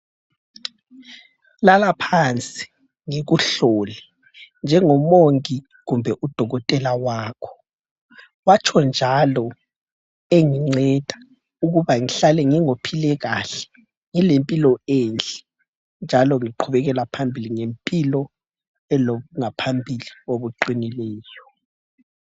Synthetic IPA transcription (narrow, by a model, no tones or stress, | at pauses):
lalapʰant͡sʼi̥ | ŋeɣuɬolɛ | nd͡ʒʱɛŋɔmoŋkʼi | ɣumbʱɛʔud̥ʱɔɣɔtʼɛlawaːkʰɔ̥ | wat͡ʃʰɔnd͡ʒʱalɔ | eŋiŋ͡ǀɛd̥ʱḁ | uɣuβaŋiɬalɛŋiŋopʰilɛɣaɬɛ̥ | ŋilempʼilɔeːnt͡ɬʼɛ̥ | nd͡ʒʱalɔŋiǃʰuβɛɣɛlapʰambʱiliŋempʼilɔ | ɛlouŋapʰambʱilioβuǃinilɛːjɔ